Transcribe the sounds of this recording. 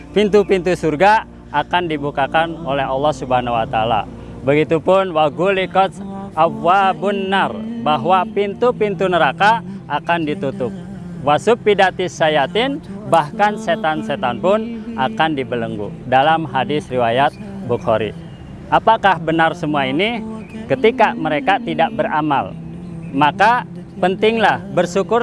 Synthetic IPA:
pint̪upint̪usurɡa | akandibukakanolɛɦɑlːɔhsubanawat̪aala̰ | bəɡit̪upʊnwaɡulikɔt̪awabunːarbaɦwapint̪upint̪unəɾakaʔːkandit̪ut̪ʊp̚ | wasʊpːidat̪ɪsːajat̪ɪnbahkanset̪anset̪anpʊnakandibələŋɡṵdalamɦadɪsriwajat̪̚bukhoɾḭ | ʔapakahbənarsəmuainikət̪ikaməɾekat̪idaʔbərama̰l | maka | pənt̪ɪŋlahbərsukʊr

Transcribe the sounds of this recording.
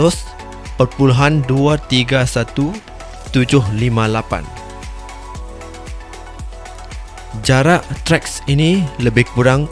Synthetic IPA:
ɔs | pərpuluɦanduat̪iɡasat̪u | t̪ud͡ʒʊhlimãlapa̰n | d͡ʒaɾaʔt̪ɾɛksinĩləbɪhkuɾaŋ

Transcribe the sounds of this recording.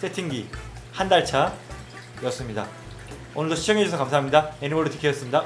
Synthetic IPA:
sʰetʰiŋɡi | handaɭt͡ɕʰa | jʌs͈ɯmɲida | onɯɭdoɕʰid͡ʑʌŋɦed͡ʑusʰʌkamsʰaɦamɲidaenimoɭːdot͡ɕi̥kʰejʌs͈ɯmɲida

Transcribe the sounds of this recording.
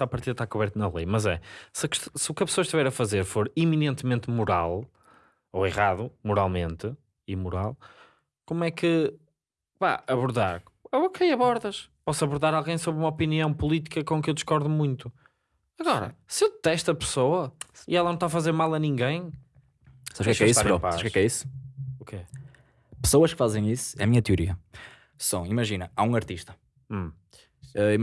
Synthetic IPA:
apɐɾt̪iðɐt̪akuβɛɾt̪unɐlˠḛjmɐzɛ̰sɐkʃt̪sɨukɐpsoɐʃt̪ivɛɾɐfɐzeɾfoɾiminẽnt̪mẽnt̪muɾa̰lˠ | oiʁaðumuɾa̰lˠmẽnt̪ɨ | imuɾa̰lˠ | komwɛkɨ | pa̰ɐβuɾða̰ɾ | okʰejɐβɔɾðɐʃpɔsɐβuɾðaɾalˠɣɐ̃j̃soβɾumɐɔpiniɐ̃w̃pulˠit̪ikɐkõkewd̪ʃkɔɾðumũj̃nt̪u | ɐɣɔɾɐ̰sɨewðɨt̪ɛʃt̪ɐpɨ̥sowɐiɛlˠɐnɐ̃w̃t̪afɐzeɾmalˠɐnĩŋɡẽj̃ | saβʃkɛkɛisaɾopaaʃaʃkɛɛkɛisu̥uke | pɨ̥soɐʃkɨfazẽj̃isu̥ɛɐmiɲɐt̪juɾḭɐ | sɐ̃w̃imɐʒinɐaũɐɾt̪iʃt̪ɐ̥̃ | ɛi

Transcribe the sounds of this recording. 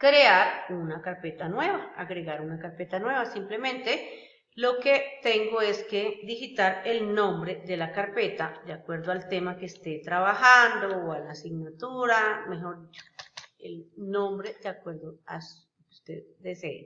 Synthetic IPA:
kɾeaɾunakaɾpet̪anwe̞βaaɣɾeɣaɾunakaɾpet̪anwe̞βasimplemẽnt̪e | loket̪eŋɡoeskeðixit̪aɾelnõmbɾeðelakaɾpet̪ad̪eakwe̞ɾðoalt̪emakeːst̪et̪ɾaβahand̪oːalasiɡnat̪uɾameɦoɾðit͡ʃo̥elnõmbɾed̪eakweɾðoa̰s | kust̪eððeseḛ

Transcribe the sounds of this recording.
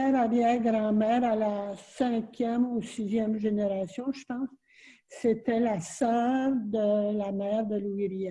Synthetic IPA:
ɛʁaʁjɛɡʁɑ̃mɛːʁalasɛ̃kʲjɛmusizjɛmʒeneʁasjɔ̃ʒəpɑ̃sː | et̪ɛlasœːʁd̪əlamɛːʁd̪əluiʁija

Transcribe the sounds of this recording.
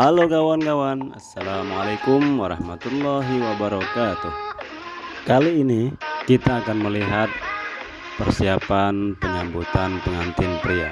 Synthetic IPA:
halokawankawana̰sːalamalakʊmwaɾɑhmat̪ulːaɦiwabaɾɔkat̪ʊh | kaliːnikit̪aːkanməliɦat̪̚ | pərsiapanpəɲambut̪anpəŋant̪ɪnpɾia̰

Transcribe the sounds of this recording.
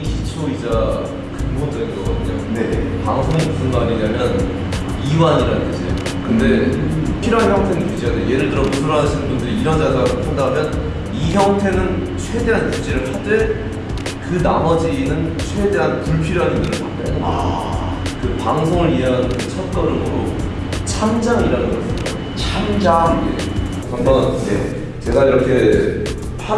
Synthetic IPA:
ɕʰit͡ɕʰoid͡ʑa | kɯŋbond͡ʑʌɡinɡʌk͈a̰tʰɲo̰nepaŋsʰoŋiɯnɡʌaɲiɲamjʌn | iwaɲiɾanɯntʰʌsʰḛjo̰ | kɯnde̞pʰiɾoɦançjʌŋtʰenɯmud͡ʑijadejo̰je̞ɾɯɭtɯɾʌbusʰɯɾʌɦaɕʰinɯnbundɯɾiːɾʌnd͡ʑasʰapʰandamjʌn | içjʌŋtʰe̞nɯnt͡ɕʰwe̞de̞ɦanjut͡ɕ͈eɾɯpʰat͈e̞ | kɯnamʌd͡ʑinɯnt͡ɕʰwe̞de̞ɦanpuɭpʰiɾoɦanindɯɾɯɭpʰatt͈ea̰ | kɯpaŋsʰoŋɯɾieɦanɯt͡ɕʰʌk͈ʌɾɯmoɾo | t͡ɕʰand͡ʑaŋiɾanɯnɡʌɕʰio | t͡ɕʰand͡ʑaŋe | kʰaŋʌjḛ | t͡ɕe̞ɡaiɾʌkʰe̞ | pʰ

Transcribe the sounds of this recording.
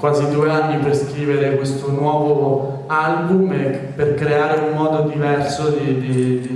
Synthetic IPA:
kwaːzid̪uːeanːiperskɾiːveɾekwest̪onwɔːvo | albume | perkɾeaːɾeumːɔːd̪od̪ivɛrsod̪id̪id̪i

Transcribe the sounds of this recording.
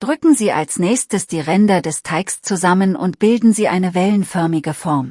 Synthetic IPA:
d̥ʁʏkŋ̩ziːʔa̰lsnɛːçstəsd̥iːʁɛndɐdɛstʰaɪkst͡suzamənʊntb̥ɪldn̩ziːʔaɪnəvɛlənfœɐmɪɡəfɔɐm

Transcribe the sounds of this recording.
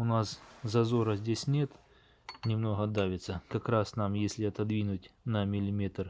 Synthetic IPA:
ʊnaszɐzo̞ɾəzʲdʲesʲnʲe̞t̪ | nʲɪmno̞ɦəd̪avʲɪt̪səkɐkɾasnamjesʲlʲɪɐt̪ɐd̪vʲinʊtʲnɐmʲɪlʲɪmʲet̪r

